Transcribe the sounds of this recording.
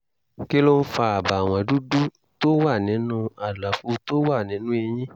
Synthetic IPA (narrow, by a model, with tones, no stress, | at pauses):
ke˦lo˦n̩˦fa˧a˨ba˨w̃ã˧du˦du˦ | to˦wa˦˨nĩ˨˦nũ˦a˨la˨fu˧˦to˦wa˦˨nĩ˨˦nũ˦e˧j̃ĩ˦